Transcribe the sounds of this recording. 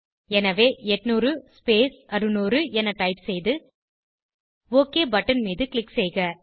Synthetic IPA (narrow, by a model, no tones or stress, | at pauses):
ɛnɐʋeːɛʈnuːɾɯspeːsɐɾɯnuːɾɯɛnɐʈɐɪpsɛjðɯ | oːkeːbɐʈːɐnmiːðɯklɪksɛjɣɐ